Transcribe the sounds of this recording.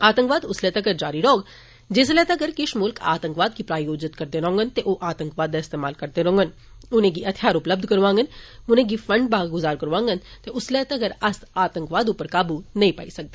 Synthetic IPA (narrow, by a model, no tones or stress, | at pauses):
aːt̪ə̃ŋkʋaːd̪ʊslɛːt̪eɐɡɐɾd͡ʒaːɾiɾɔoɡ | d͡ʒeːs̬lɛt̪eɐɡəɾkɪʃmʊlka̰ːt̪ə̃ŋkʋaːd̪̚kipɾaːjoːd͡ʒɪt̪kɐɾt̪eɾɔ̃ːŋɡənt̪eʔoʔaːt̪ə̃ŋkʋaːd̪aɪst̪eːmaːlkɐɾt̪eɾõːŋɡən | ʊnẽɡiɐt̪ʰjaːɾʊpləb̚d̪ʱkɐɾʋãːŋɡənʊnẽɡifɐ̃ɳɖbaːɡɡʊzaːɾkɐɾʋãːŋɡənt̪eʊslɛt̪eɐɡəɾɐsaːt̪ə̃ŋkʋaːd̪upəɾkaːbunɐĩpa̰isɐk̚d̪e